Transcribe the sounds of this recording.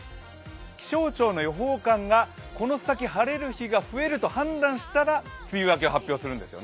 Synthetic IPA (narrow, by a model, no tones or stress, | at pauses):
kʲi̥ɕo̞ːt͡ɕo̞ːno̞jo̞ɦo̞ːkãŋɡako̞no̞sakʲiɦaɾe̞ɾɯ̟çiɡaɸɯ̟e̞ɾɯ̟t̪o̞hãnd̪ãɰ̃ɕi̥t̪aɾat͡sɨiβak̬eoɦapʲːjo̞ːsɨɾɯ̟̃nd̪e̞sɨjo̞n